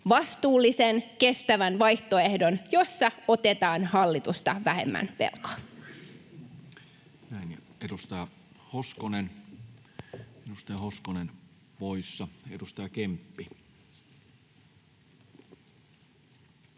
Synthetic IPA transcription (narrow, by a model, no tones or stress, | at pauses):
ʋɑst̪uːlːisenke̞st̪æʋænʋɑjht̪oehdo̞njo̞sːɑo̞t̪et̪ɑːnhɑlːit̪ust̪ɑ̰ʋæɦhḛmːæ̰npḛlkɑ̥ | næˑinjedust̪ɑjɑ | hoskonen | edust̪ɑjɑhoskonen | poisːɑedust̪ɑjɑkempːi